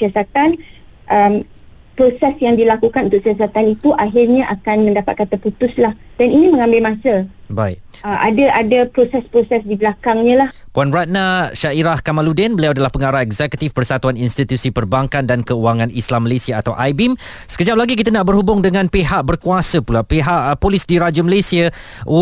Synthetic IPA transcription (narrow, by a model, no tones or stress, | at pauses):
siasat̪an | ʔəm | pɾosɛsjaŋdilakukanʔunt̪ʊksias̬at̪anit̪uʔaɦirɲãʔakanmə̃ndapat̪̚kat̪aput̪ʊslah | daninĩmə̃ŋãmbɪlmãsəbaiʔ | əʔa̰daʔadapɾosɛspɾosɛsdibəlakaŋɲãlahpuanraʔ̚naʃaʔiɾahkamaludɛnbəliawadalahpəŋaɾaɛɡzɛkət̪ifpərsat̪uaninst̪it̪jusipərbaŋkandankəuwaŋãnislamːəlesiaːt̪awʔajbim | sə̥kəd͡ʒap̚laɡik̬it̪̬ənaʔbərhubʊŋdəŋãnpeɦaʔbərkuasəpulapeɦaʔpolisdiɾad͡ʒəməlesia